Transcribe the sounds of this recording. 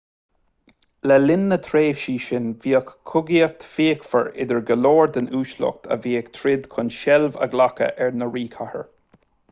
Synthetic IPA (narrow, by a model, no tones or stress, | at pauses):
lɛlɪnːət̪ʰɾeːv̥ʃiːʃɪnviːəkʰːʊɡiək̚t̪ʰfiːkfəɹɪ̰d̪əɹɡəloːɹd̪ənuːʃlɔ̰k̚t̪ʰə̰viːək̚t̪ʰɾɪd̪kʰʊnʃɛlvə̰ɡlakə̰ʔɛɹnəɹiːkʰahə̰ɹ